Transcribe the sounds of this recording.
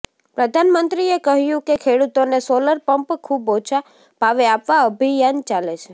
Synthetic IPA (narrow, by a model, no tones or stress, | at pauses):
pɾəd̪ʱanmənt̪ɾiekəɦjũkekʰeɽut̪onesoləɾpəmpkʰubot͡ʃʰa | paʋeapʋaəbʱijant͡ʃalet͡ʃʰe